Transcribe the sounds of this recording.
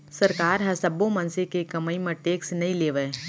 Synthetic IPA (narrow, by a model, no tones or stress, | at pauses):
sɐɾkaːɾɦɐsɐbːõmɐnsekekɐməimɐʈeːksnɐĩleːʋəː